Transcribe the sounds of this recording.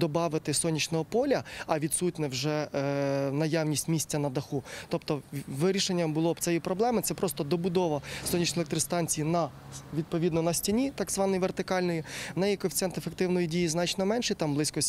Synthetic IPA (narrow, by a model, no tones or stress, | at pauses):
d̪ɔbɑʋɪt̪ɪsɔnʲit͡ʃnɔɦɔpɔlʲɐɐʋʲid̪sutʲnɛwʒɛ | nɐjɑwnʲisʲtʲmʲisʲtʲːɐnɐd̪ɐxut̪ɔpt̪ɔʋɪɾʲiʃenʲːɐmbʊlˠɔb̪sɛjipɾɔblˠɛmɪt̪sɛpɾɔst̪ɔd̪ɔbʊd̪ɔʋɐsɔnʲːit͡ʃnɔelʲˠek̚t̪ɾɪst̪ɑnʲt͡sʲijinɐ | ʋʲid̪̚pɔʋʲid̪nɔnɐsʲtʲinʲit̪ɑɡzʋɑnɔjʋert̪ɪkɑlʲnɔjinɛjikɔfʲt̪ɛnt̪efek̚t̪ɪwnɔjidʲijiznɑt͡ʃnɔmɛnʃɛt̪ɑmblˠɪsʲkɔ